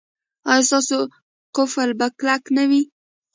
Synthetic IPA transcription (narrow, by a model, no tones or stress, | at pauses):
ɑjɑst̪ɑso | qʊfalbaklaknawi